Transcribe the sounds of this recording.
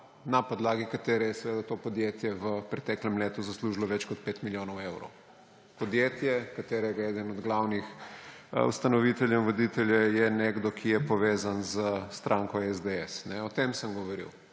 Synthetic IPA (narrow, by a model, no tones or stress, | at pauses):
napɔd̪laːɡikat̪eːɾɛjɛsɛʋeːd̪at̪opɔd̪jet̪jɛʋəpɾɛt̪ɛklɛmleːt̪uzasluʒilɔʋɛt͡ʃkɔt̪̚pet̪miljoːnɔwewɾɔ̰w | pɔd̪jet̪jɛkat̪eːɾɛɡaɛːd̪ənɔd̪ɡlawnix | ṵst̪anɔʋit̪ɛljɛʋɔd̪it̪ɛljɛjɛneɡd̪ɔkʰijɛpɔʋeːzanzəst̪ɾʔaːŋkɔɛzd̪eɛsnɛɔt̪emsəmɡɔʋɔɾḭw